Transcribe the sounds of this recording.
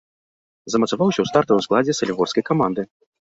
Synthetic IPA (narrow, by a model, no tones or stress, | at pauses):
zɐmɐt̪savawsʲɐwst̪art̪ɐsklˠad͡zʲɛsɐlʲiɣɔrskɐjkamand̪ɨ